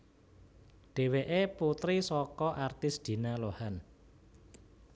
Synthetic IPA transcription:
ɖ̥e̤weʔeput̪ɾisɔkɔʔart̪ɪsd̪̥i̤nalohan

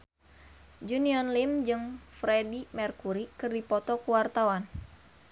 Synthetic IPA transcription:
d͡ʒuniɔnlimd͡ʒɨŋfɾedimɛrkuɾikɨrdipɔt̪ɔkuwart̪awan

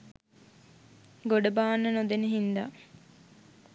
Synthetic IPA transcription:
ɡoɖəbaːnːənod̪enəɦind̪a

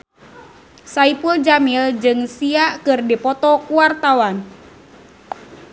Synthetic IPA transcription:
saipuld͡ʒamild͡ʒɨŋsiaʔkɨrdipɔt̪ɔkuart̪awan

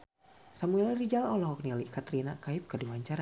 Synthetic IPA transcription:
samuɛlrid͡ʒalɔlɔɦɔk̚nialikat̪ɾinakaip̚kədiwaɲt͡ʃaɾa

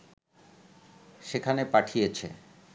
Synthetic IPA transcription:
ʃekʰanepaʈʰijet͡ɕʰḛ

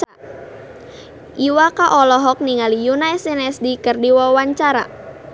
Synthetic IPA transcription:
ʔiwakaʔɔlɔɦɔk̚niŋalijunajsɛnɛsdikərdiwawaɲt͡ʃaɾa̰

